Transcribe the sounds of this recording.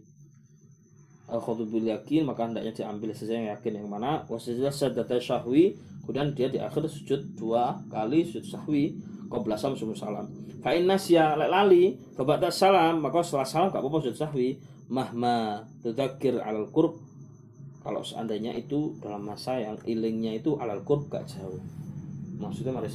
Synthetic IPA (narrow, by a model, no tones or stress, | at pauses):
ʔaxɔt̪ubɪljakinmakaəndaʔɲadiambɪlsasajaŋjakɪnjaŋmanawasalasad̪at̪aʃahwikudandiadiʔa̰xɪrsu̥d͡ʒʊt̪̚d̥uakalisud͡ʒʊt̪̚sahwikawbəlasamsumusalamfaʔɪnːasialaʔlali | fabaʔt̪aʔsalamːakawsalasalamɡa̰ʔpɔpɔsud͡ʒʊt̪̚sahwi | mahmat̪uðakɪra̰lalkʊrb̚ | kalo̰ʔsəa̰nt̪ajɲa̰ʔit̪ud̥alamːasajaŋilɪŋɲait̪uʔa̰lalkʊrb̚ɡa̰ʔd͡ʒaʊh | maksuit̪umaɾi